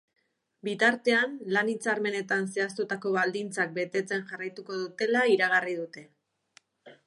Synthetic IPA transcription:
bit̪aɾt̪e̞anlanit͡saɾme̞ne̞t̪anse̞ast̪ot̪ako̞βald̪int͡sak̚be̞t̪e̞t͡se̞nʝarajt̪uko̞ð̞ut̪e̞laiɾaɣarið̞ut̪e̞

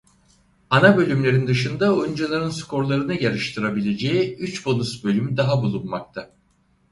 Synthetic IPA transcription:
anabø̞lʲymlʲe̞ɾind̪ɯʃɯnd̪aojund͡ʒalˠaɾɯnskʰo̞ɾlˠaɾɯnɯjaɾɯʃt̪ʰɯɾabilʲe̞d͡ʒejiyt͡ʃbo̞nusbø̞lʲymd̪aɦabulˠunmak̚t̪ʰa

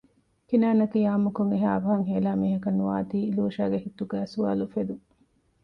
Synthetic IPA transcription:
kinaːnɐkijaːmukoŋeɦaːɐbɐɦɐŋɦeːlaːmiːɦɐkɐnːuʋaːt̪iːluːʃaːɡeɦit̪ːuɡæːsua̰ːlufed̪u

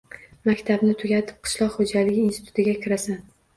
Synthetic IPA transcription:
makʲt̪ʰabnɪt̪ʰʊɡʲat̪ʰɪ̥p̚qʰɨ̥ʃlˠɒqχod͡ʒalɪɡʲinsɪ̥t̪ʰʊ̥t̪ʰɪɡʲakʲʰɪɾasan

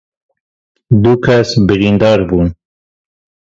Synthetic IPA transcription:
d̪ukʰasbiɾind̪ɑːɾbuːn

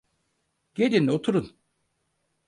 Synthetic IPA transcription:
ɟ̥elʲinot̪ʰuɾun

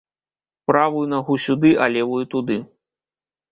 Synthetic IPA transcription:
pɾavujunaɣusʲud̪ɨʔalʲɛvujut̪ud̪ɨ

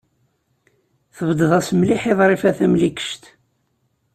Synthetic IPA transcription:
θəvəd̪əðˤæsmliħeðˤɾˤifæθæmlikə̥ʃt̪

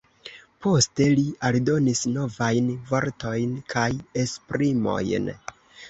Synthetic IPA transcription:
po̞ste̞lialdo̞nisno̞vajnvo̞ɾto̞jnkʰajespɾimo̞̰jn

